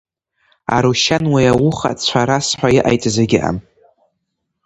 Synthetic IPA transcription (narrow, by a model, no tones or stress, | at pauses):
a̰ɾuʃanwijawʊχa̰t͡sʷʰaɾasħʷajɪʔa̰jt͡sʼzeɡʲɪʔa̰m